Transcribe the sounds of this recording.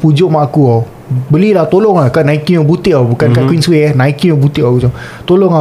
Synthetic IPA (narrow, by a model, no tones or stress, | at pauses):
pud͡ʒoʔmaʔakua | bəlilaht̪olɔŋlakaʔnaikiobut̪iʔawbukankakwinsweahnãikiobut̪iʔaut̪o | t̪oloŋa